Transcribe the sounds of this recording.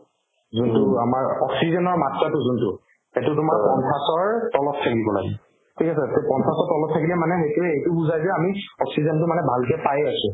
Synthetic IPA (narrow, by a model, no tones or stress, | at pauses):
zuntʊamaɹɔksizɔnɔɹmatɹatʊzʊntʊ | ɛtʊtʊmaɹppɔntʰasɔɹtɔlɔp̚tʰːakibɔla̰ɡi | tʰikasɛkɛpɔntʰasɔtɔlɔp̚tʰakilɛmanɛɦejtuɛejtʊbuzajzɛamiɔksizɔntʊmanɛbʱalkɛpajasʊ̃